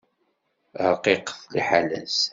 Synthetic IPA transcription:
qiqθlḭħalæ̰s

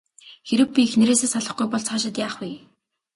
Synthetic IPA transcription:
xeɾɘ̆k̚pʲiːxneɾeːseːsaɮə̆χɡujpɔɮt͡sχaːʃɪ̆t̪jaːχwi

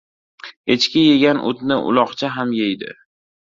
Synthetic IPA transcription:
et͡ʃkʲɪjeɡʲanʔʊ̰t̪nɪʔʊ̰lˠɒqt͡ʃʰaɦamjejd̪ɪ̰

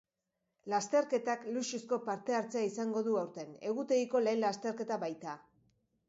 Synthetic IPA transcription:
last̪e̞ɾke̞t̪akluʃusko̞paɾt̪e̞aɾt͡se̞aisaŋɡo̞ðuawɾt̪e̞ne̞ɣ̞ut̪e̞ɣiko̞le̞ːnlast̪e̞ɾke̞t̪aβajt̪a

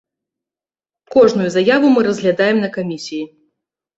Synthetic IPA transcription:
kɔʐnujuzajavumɨɾɐzʲɣlʲad̪ajɛmnɐkamʲisʲiji

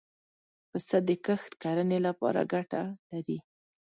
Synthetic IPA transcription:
pəsad̪əkəxt̪kaɾənelapɑ̰ɾa̰ɡaʈalaɾi

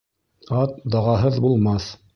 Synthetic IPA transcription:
ɑt̪d̪ɑʁɑɦɤðbulˠmɑθ

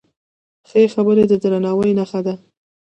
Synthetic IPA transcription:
xəexabəɾed̪əd̪ɾanɑwəjnaxad̪a

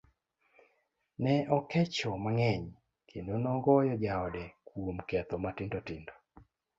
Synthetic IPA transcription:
nɛʔɔkɛt͡ʃɔmaŋɛɲ | kʰendonɔɡɔjɔd͡ʒaɔdɛkwomkɛt̪ɔmatɪndɔtɪndɔ

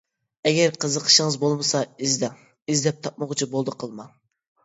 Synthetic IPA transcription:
ɛɡʲɛɾqʰəzəqʰə̥ʃəŋəzbolˠmɨsɑizd̪ɛŋ | izd̪ɛp̚t̪ʰɑp̚mʊʁt͡ʃʰibolˠd̪ɨqʰəlˠmɑŋ

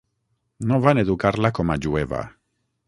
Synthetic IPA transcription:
noβaneðukaɾlakomaʎueβa̰

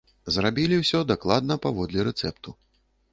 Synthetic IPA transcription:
zrabʲilʲiwsʲɔd̪aklˠad̪̚nɐpavɔd̪lʲɛɾɛt̪sɛpt̪u

